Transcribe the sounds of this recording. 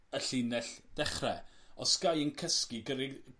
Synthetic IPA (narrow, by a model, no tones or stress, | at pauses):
əɬɪnɛɬd̥ɛχrɛɔsɡ̥ajənkʰəskiɡəɾɪ